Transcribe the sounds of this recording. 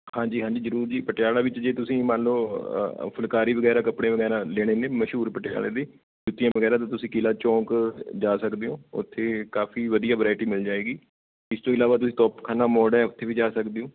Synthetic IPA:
hãːd͡ʒiːɦãːd͡ʒiːzəɾuːɾd͡ʒiːpəʈɪjaːlaːʋɪt͡ʃd͡ʒeːt̪ʊsĩːmãːnloːpʰəlkaːɾiːʋəɡɛːɾaːkəpɽeːʋəɣɛːɾãːleːɽ̃eːnẽːməʃɦuːɾpəʈja̰ːɭḛːd̪eː | d͡ʒʊt̪ːɪjãːʋəɣɛːɾaːt̪ãːt̪ʊsĩːkilaːt͡ʃɔ̃ːkd͡ʒaːsəkd̪eːɦõːʊ̰t̪ʰːeːkaːfʰiːʋəd̪ijaːʋəɾaːɪʈiːmɪld͡ʒaːeːɡiː | ɪst̪õːɪlaːʋaːt̪ʊsĩːt̪ɔːpkʰaːnaːmɔːɖɛ̃ːʊt̪ʰːeːʋiːd͡ʒaːsəkd̪eõː

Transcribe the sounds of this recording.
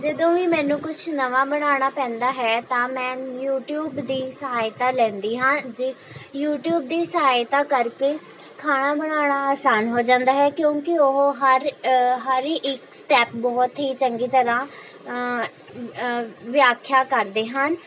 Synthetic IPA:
d͡ʒəd̪õːʋiːmɛ̃ːnũːkʊt͡ʃʰnəʋaːbəɽ̃aːɽ̃aːpɛ̃ːnd̪aːɦɛːt̪ãːmɛ̃ːjuːʈjuːbd̪iːsəɦaːjt̪aːlɛ̃ːnd̪iːɦãːd͡ʒi | juːʈjuːb̚d̪iːsəɦaːjt̪aːkəɾkeː | kʰaːɽ̃aːbəɽ̃aːɽ̃aːaːsaːnɦoːd͡ʒãːnd̪aːɦɛːkjõːkɪoɦɦəɾɦəɾiːʔɪksʈɛːp̚bɔːt̪ɦiːt͡ʃəŋɡiːt̪əɾãː | ʋɪjaːkʰjaːkəɾd̪eːɦən

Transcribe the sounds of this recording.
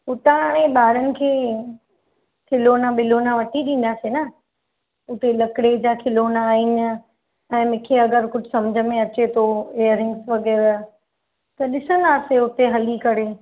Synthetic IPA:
ʊt̪aɽ̃ẽɓaːɾənɪ̆kʰeː | kʰɪlonaɓɪlonaʋɐʈʰiɗĩːn̆d̪aːsena | ʊt̪elɐkɽed͡ʑakʰɪloːnaːiːn̆ | ɛ̃ːmɪ̃ːkʰeɐɡəɾkʊd͡ʑʱɪsɐmd͡ʑʱəmẽɐt͡ɕet̪ʰoejəɾɪ̃ŋɡsʋɐɡeːɾa | t̪ɐɗɪsənd̪aːseʊt̪eɦɐlikɐɽe

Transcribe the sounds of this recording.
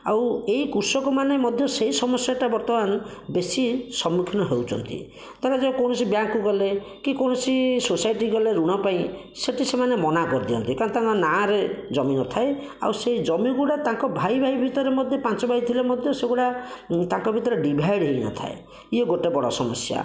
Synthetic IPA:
a̰weikuɾsɔkɔmanemɔd̪ʱjɔseisɔmɔsjaʈabɔɾt̪ɔmanɔbesisɔmːukʰinɔɦewt͡ʃɔ̰nt̪ḭ | t̪aɾad͡ʒãkɔwnɔsibjaŋkuɡɔle | kikɔñɔsisosajʈiɡɔleɾuɽ̃ɔpaĩ | seʈisemanemɔnakɔɾd̪ijɔ̰nt̪ikaɾɽ̃t̪ãŋkɔnaɾed͡ʒɔminɔt̪ʰae | a̰wseid͡ʒɔmiɡuɽat̪ãŋkɔbʱajbʱaibʱit̪ɔɾemɔd̪ʱjɔpant͡ʃɔbʱait̪ʰilemɔd̪ʱjɔseɡuɽat̪ãŋkɔbʱit̪ɔɾeɖibʱajɽɦejnɔ̰t̪ʰa̰ḛ | ieɡoʈebɔɽɔsɔmɔ̰sja̰

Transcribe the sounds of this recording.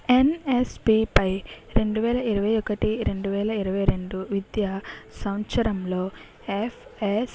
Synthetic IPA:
e̞nespipɐjɾe̞ɳɖuʋɛːlɐiɾɐʋɐjɔkɐʈiɾe̞ɳɖuʋɛːlɐiɾɐʋɐjɾe̞ɳɖuʋid̪jasɐwt͡ʃɐɾɐmlo̞ː | epʰes

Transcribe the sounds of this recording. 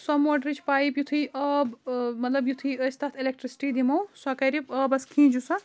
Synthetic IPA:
sɔmoɖɾit͡ʃʰpaːipjut̪ʰɨjəbmɐt̪lɐbjut̪ʰɨjəst̪at̪ʰilek̚ʈɾisi̥ʈid̪imɐwsɐkɐɾipəbɐskʰĩd͡ʒusɐ

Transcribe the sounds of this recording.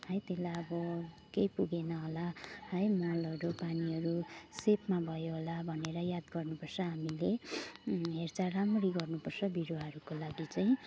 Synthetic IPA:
ɦʌjt̪elajʌbʌ | kejpuɡenʌɦolahʌjmʌlʌɾupaniɦʌɾusepmabʱʌjoɦolabʱʌneɾʌjad̪ɡʌrnupʌrsʰʌɦamile | ɦert͡saramriɡʌrnupʌrt͡sʰʌbiɾoʌɾukolaɡit͡sajĩ

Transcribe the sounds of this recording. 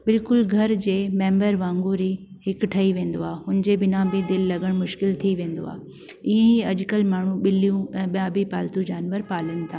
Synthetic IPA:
bɪlkʊlɡʱɐɾd͡ʑeːmẽːmbəɾʋãːŋɡuɾi | hɪkʈʰɐiʋẽːn̆d̪oaːɦʊnɪd͡ʑebɪnãbɪd̪ɪlːɐɡəɽ̃mʊʃkɪlt̪ʰiʋẽːnd̪o̰a̰ː | iɦẽiɐʄkəlmaːɳ̤uɓɪlijũɛ̃ːɓijãbʱipaːlt̪ud͡ʑaːnʋəɾpaːlənɪ̆t̪ʰaː

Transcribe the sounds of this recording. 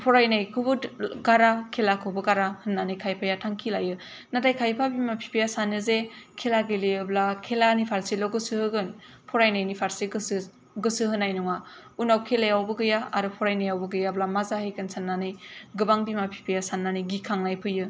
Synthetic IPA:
pʰɔɾajnajkʰubɯɡaɾakʰelakʰɯbɯɡaɾahɯnːanɯjkʰajpʰajatʰaŋkʰilajɯ | nadajkʰajpʰabimapʰi̥pʰijasanɯzekʰelaɡeleɯblakʰelanipʰaɾselɔɡɯsɯhɯɡɯn | pʰɔɾajnajnipʰaɾseɡɯsɯ | ɡɯsɯhɯnajnuŋa | unawkʰelejawbɯɡɯjaaɾɯpʰɔɾajnajawbɯɡɯjablamazahɯjkɯnsanːanɯjɡɯbaŋbimapʰi̥pʰijasanːanɯjɡikʰaŋlajpʰɯjɯ

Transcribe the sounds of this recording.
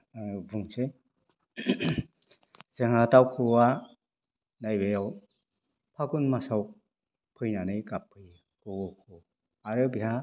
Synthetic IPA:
buŋse | z̥eŋatawkʰɯwa | najbejaw | pʰaɡunmasaw | pʰɯjnanɯjkapʰːɯj | kɯwɔkʰu | aɾɯbiɦa

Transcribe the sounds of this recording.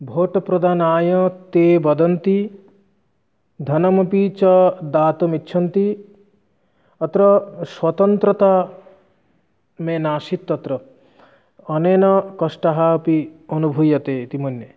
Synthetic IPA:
bʱoːʈɔpɾɔd̪ʱaːnaːjɔt̪ebɔd̪ɔnt̪i | d̪ʱɐnɔmɔpit͡ʃɔd̪aːt̪ɔmitːʃʰɔnt̪i | ɔt̪ɾɔswɔt̪ɔnt̪ɾɔt̪a | menaːʃit̪ːɔt̪ɾɔ | nenɔkɔʃʈaɦaːpionubʱujɔt̪et̪imonːe

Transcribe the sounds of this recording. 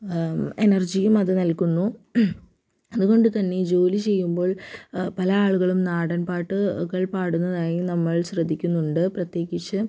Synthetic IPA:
e̞nɐrd͡ʑijumɐðɨnɐlkunːu | ɐðuɣo̞ɳɖɨt̪ɐnːe̞d͡ʑo̞ːlit͡ɕe̞jːumbo̞ːɭpɐlɐaːɭuɣɐɭumnaːɽɐnpaːʈːɨkɐɭpaːɽunːɐðaːjinɐmːɐɭɕrɐd̪ʱːikʲːunːuɳɖɨprɐt̪je̞ːɣit͡ɕːɨ

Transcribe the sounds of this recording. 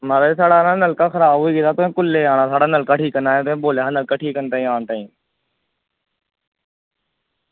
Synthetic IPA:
maːɾaesaːɽaːnənəlkəkʰɾaːoːiːɡeːd̪aːt̪oːẽːkʊlːeːɦaːnãːsaːɽaːnəlkəʈʰiːkənd̪aːj̃ːt̪õːboːleːɦənəlkəʈʰiːkənt̪aːĩːaːɳt̪aːĩː

